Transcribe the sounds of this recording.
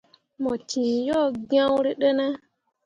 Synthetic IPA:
mo˨ti˨jɔ˦˨ɡã˦wɾi˦ɗə˦na˦

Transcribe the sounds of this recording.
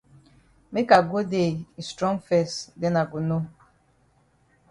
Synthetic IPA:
me˦ka˨ɡo˦de˨i˨stɾɔ̃˦ŋfɛ˦˨sde˦na˨ɡu˨no˦

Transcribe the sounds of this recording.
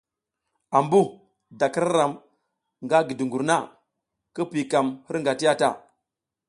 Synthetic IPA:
a˨mbu˦ | da˨ki˦ɾa˦ɾa˨m | ŋɡa˦ɡi˨du˨ŋɡu˨ɾna˦ | kə˦pi˨ka˨mhi˦ɾŋɡa˨ti˦ja˦ta̰˨

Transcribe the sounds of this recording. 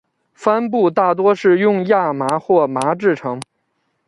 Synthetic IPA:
fa˥npu˥˧t̪a˥˩t̪̬wɔ˥ʂɻ̩˥˧jʊ˥˧ŋja˥˩ma˧˥xwɔ˥˩ma˧˥ʈ͡ʂɻ̩˥˩ʈ͡ʂʰɤ˧˥ŋ

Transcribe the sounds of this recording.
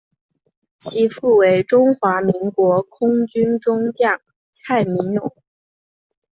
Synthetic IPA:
t͡ɕʰi˧˥fu˥˩we˧˥ɪʈ͡ʂʊ˥ŋxwa˧˥mi˧˥ŋkwɔ˧˥kʰʊ˥ŋt͡ɕy˥nʈ͡ʂʊ˥ŋt͡ɕjɑ˥˩ŋ | t͡sʰa˥˩ɪmi˧˥ŋɻʊ˨˩˥ŋ

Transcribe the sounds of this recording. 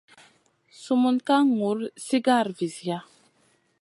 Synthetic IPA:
su˦˨mu˦nka˦ŋu˨˦ɾsi˦ɡa˦˨ɾvi˨zja˦

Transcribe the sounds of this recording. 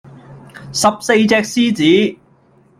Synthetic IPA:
sɐ˨p̚se˧jt͡sɛː˧k̚siː˥t͡siː˨˥

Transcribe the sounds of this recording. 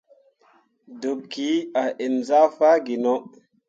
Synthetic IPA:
do˨p̚ki˨˦a˨ʔe˨nza˦fa˦ɡi˨nɔ˦

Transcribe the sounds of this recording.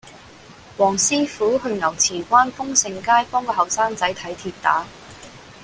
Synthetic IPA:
wɔː˨˩ŋsiː˥fuː˨˥hɵ˧ɥŋɐ˨˩wt͡sʰiː˨˩kʷaː˥nfʊ˥ŋsɪ˨˧ŋkaː˥jpɔː˥ŋkɔː˧ɦɐ˨˩wsaː˥ŋt͡sɐ˨˥jt̪ʰɐ˨˥jt̪ʰiː˧t̚t̪a̰ː˨˥

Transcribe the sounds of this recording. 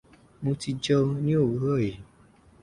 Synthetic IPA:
mũ˧ti˧d͡ʒɔ˧nĩ˦o˦˨wu˦ɣɔ˦˨je˨

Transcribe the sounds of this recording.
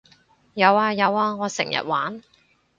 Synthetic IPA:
jɐ˨˧waː˧jɐ˨˧waː˧ŋɔː˨˧sɪ̰˨˩ŋjɐ̰˨t̚wa̰ː˨˥n

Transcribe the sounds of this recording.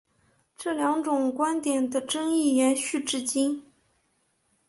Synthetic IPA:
ʈ͡ʂɤ˥˩ljɑ˧˥ŋʈ͡ʂʊ˨˩ŋkwa˥nt̪jɛ˨˩nd̪ə˦ʈ͡ʂɤ˥ŋi˥˩jɛ˧˥nɕy˥˩ʈ͡ʂɻ̩˥˧t͡ɕi˥n

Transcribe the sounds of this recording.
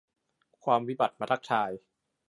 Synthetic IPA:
kʰwaː˧mwi˦˥ba˨˩t̪̚ma˧t̪ʰa˦˥k̚t͡ɕ̪ʰaː˧j

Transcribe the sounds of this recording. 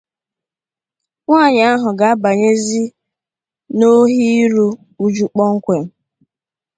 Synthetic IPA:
ŋʷaː˦˨ɲ˨a˦ɦʊ˨ɡa˨a˦ba˨ɲe˦zi˦ | no˦ɦi˦ɾu˦ | u˦d͡ʒu˦k͡pɔ˦ŋ̩˦kʷe˨m̩˦

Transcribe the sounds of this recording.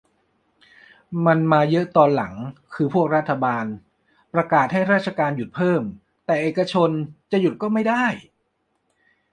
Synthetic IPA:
ma˧nmaː˧jɤ˦˥ʔt̪ɔː˧nla̰˩˦ŋkʰɯː˧pʰu˥˩ək̚ɾa˦˥t̪ʰːa˧baː˧n | pɾa˧kaː˨˩t̪̚ha˥˩jɾaː˥˩t̪̚t͡ɕʰa˧kaː˧nju˨˩t̪̚pʰɤː˥˩m | t̪ɛː˨˩ʔeː˨˩ka˧t͡ɕʰo˧nt͡ɕa˨˩ʔju˨˩t̪̚kɔː˥˩ma˥˩jda˥˩j

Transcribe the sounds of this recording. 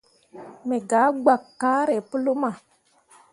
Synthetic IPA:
me˨ɡa˨˦ɡ͡ba˨kːa˦ɾe˨pə˦lo˦ma˨

